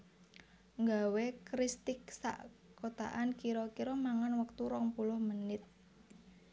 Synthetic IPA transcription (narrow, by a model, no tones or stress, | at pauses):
ŋɡawekɾist̪ɪksa̰ʔkot̪a̰ʔankiɾɔkiɾɔmaŋanwək̚t̪uɾɔŋpulʊhmənɪt̪̚